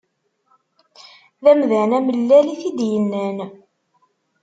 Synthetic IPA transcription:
ðæmðænæməlːæliθid̪jənːæn

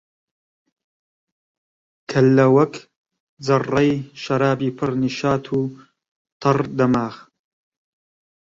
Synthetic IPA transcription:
kʰɐlːɐwɐk | d͡zɐrːɐjʃɐɾaːbiːpʰɨɾniʃaːt̪ʰuː | t̪ʰɨrd̪ɐmaːx

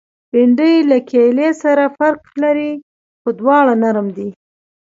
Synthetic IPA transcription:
b̥ɪɳɖəjlakʰelesaɾafaɾklaɾi | xod̪wɑɽanaɾmd̪i

